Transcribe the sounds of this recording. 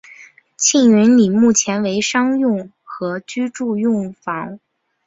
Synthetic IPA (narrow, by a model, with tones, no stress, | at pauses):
t͡ɕʰi˥˩ŋy˧˥nli˨˩mu˥˩t͡ɕʰjɛ˧˥nwe˧˥ɪʂɑ˥ŋjʊ˥˩ŋ | xɤ˧˥t͡ɕy˥ʈ͡ʂu˥˧jʊ˥˩ŋfɑ˧˥ŋ